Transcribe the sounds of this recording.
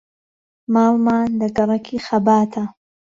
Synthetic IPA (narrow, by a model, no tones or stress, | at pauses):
maːlmaːnlɐɡɐɾˤɐkʰixɐbaːt̪ʰa